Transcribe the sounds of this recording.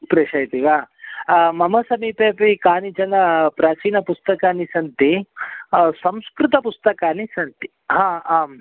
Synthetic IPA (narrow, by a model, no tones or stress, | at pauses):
pɾeːʃɐjt̪iʋaː | mɐmɐsɐmiːpeːpikaːnid͡ʒɐnɐpɾaːt͡ʃiːnɐpust̪ɐkaːnisɐnt̪i | sɐmskɾut̪ɐpust̪ɐkaːnisɐnt̪i̥ | ɦãːaːm